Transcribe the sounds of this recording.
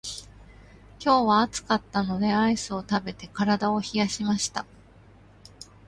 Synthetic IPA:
kʲo̞ːβaːt͡sɨ̥kat̪ːano̞d̪e̞aisɨo̞t̪abe̞t̪e̞kaɾad̪ao̞çijaɕimaɕi̥t̪a

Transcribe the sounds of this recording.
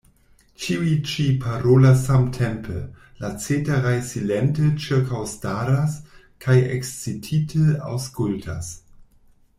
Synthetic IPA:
t͡ʃiuit͡ʃipʰaɾolasamtʰempʰə̰ | lat͡setaɾajsilentət͡ʃiɾkʰawstaɾas | kʰajḛkst͡sitʰitʰəa̰wskultʰa̰s

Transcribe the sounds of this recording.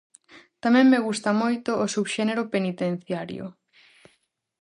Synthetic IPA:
t̪amɛ̃ŋmeɣust̪amojt̪oːsuβʃeneɾopenit̪ẽn̟θjaɾjo̰

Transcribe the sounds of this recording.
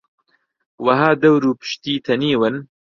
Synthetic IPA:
wɐɦaːd̪ɐwɾuːpɨ̥ʃt̪iːt̪ʰɐniːwɨn

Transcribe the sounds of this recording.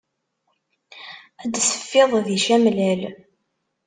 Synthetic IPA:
æd̪sə̥fːeðˤðiʃæmlæl

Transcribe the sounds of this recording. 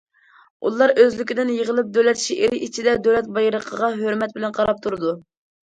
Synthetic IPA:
ṵlˠɑɾʔøzlɪkʲɪd̪ɪnjəʁəlˠɨp̚d̪ølɛt̪ʰʃiʔeɾɪʔit͡ʃʰid̪ɛd̪ølɛt̪̚bɑjɾəqʰəʁɑɦøɾmɛt̪̚bɪlɛnqʰɑɾɑp̚t̪ʰuɾɨd̪u

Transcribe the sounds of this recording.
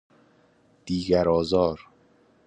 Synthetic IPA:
d̪̥iːɡæɾɒːzɒːɾ

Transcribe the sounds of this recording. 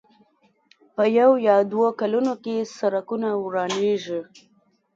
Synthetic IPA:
pəjawjɑd̪wokalunokesaɾakunawɾɑneʒi

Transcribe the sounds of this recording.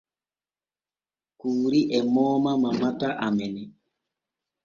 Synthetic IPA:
kuːɾiʔɛmɔːmamamataʔamɛnɛ

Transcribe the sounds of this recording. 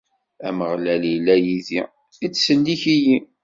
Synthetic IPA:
æməʁlælilːæjiði | it͡sːsənːiçiji

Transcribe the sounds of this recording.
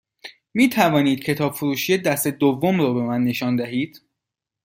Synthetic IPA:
miːt̪ʰævɒːniːd̪̥cʰe̞t̪ʰɒːbfuɾuːʃijed̪æst̪e̞d̪ovːomɾɒːbe̞mænːe̞ʃɒːnd̪æɦiːd̪̥

